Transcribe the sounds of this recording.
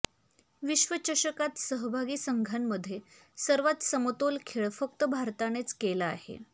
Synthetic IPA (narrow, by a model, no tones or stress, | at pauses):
ʋiɕʋət͡ɕəɕəkat̪səɦbʱaɡiːsəŋɡʱanːəd̪ʱːje | səɾʋat̪səmət̪olkʰeɭfək̚t̪əbʱaɾt̪añet͡skelaa̰ɦḛ